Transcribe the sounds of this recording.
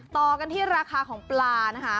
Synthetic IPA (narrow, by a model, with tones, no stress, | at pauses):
t̪ɔː˨˩ka˧nt̪ʰiː˥˩ɾaː˧kʰaː˧kʰɔː˩˦ŋplaː˧na˦˥kʰa˦˥